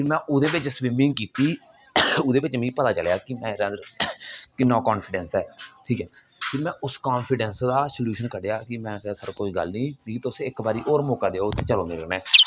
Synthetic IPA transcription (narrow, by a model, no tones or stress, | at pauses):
pʰɪɾmɛ̃ːʔʊd̪eːbɪt͡ʃswiːmɪ̃ŋɡkiːt̪iː | ʊd̪eːbɪt͡ʃmĩːpət̪aːt͡ʃəlejaːkɪmɛ̃ːɾɛ̃ːd̪əɾkɪnːãːkɔːnpʰɪɖɛːnsɛːʈʰiːkɛː | pʰɪɾmɛ̃ːʔʊskaːnpʰɪɖɛːnsd̪aːsəljuːʃənkəɖeːaːkɪmɛ̃ːkːsəɾkoːiːɡə̰lnĩːiːt̪osɪkbaːɾiːʔoːɾmoːkaːd̪eːoːt̪ʰːeːt͡ʃəloːnɪɾəɡnɛ̃ː